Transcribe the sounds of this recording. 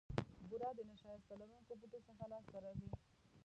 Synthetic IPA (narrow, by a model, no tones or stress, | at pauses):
buɾɑd̪ənaʃɑjast̪alaɾunkoput̪osəxalɑsaɾawi